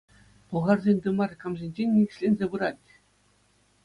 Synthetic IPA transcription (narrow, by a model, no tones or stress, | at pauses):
pɤ̆ʁɑrzʲenʲd̪ɯmɑrkɑmʑʲenʲd͡ʑenʲːik̆ʲɕʲlʲenʲzʲebɯɾɑtʲ